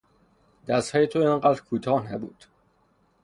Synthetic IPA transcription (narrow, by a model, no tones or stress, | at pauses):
d̪æst̪hɒːjet̪ʰoiŋɢæːd̪ɾkʰuːt̪ʰɒːhnæbṵːd̪̥